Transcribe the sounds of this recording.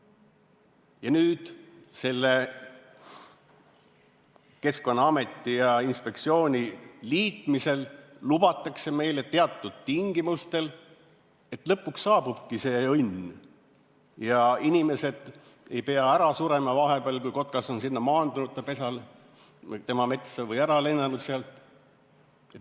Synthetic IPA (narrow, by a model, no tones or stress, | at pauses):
jɑnyːd̪̥se̞lːe | ke̞sko̞nːɑɑme̞t̪ːˑijɑinspe̞k̚t̪sio̞ːnʲiliːt̪ˑmise̞llubɑt̪ːˑɑkse̞me̞jle̞t̪e̞ɑt̪ːˑud̪̥̚t̪iŋɡ̥imust̪e̞l | e̞t̪lɤpːˑuksːɑːb̥ub̥kise̞ːɤnʲː | jɑinʲime̞se̞d̪̥ | e̞̰jpe̞ɑæɾɑsuːɾe̞mɑvɑɦe̞b̥eɑlkujko̞t̪̚kɑso̞nsinːɑmɑːnd̪unut̪̚t̪ːɑpe̞sɑl | t̪e̞mɑme̞t̪sɑvɤjæɾɑle̞nːɑnud̪seɑlt̪ˑ | e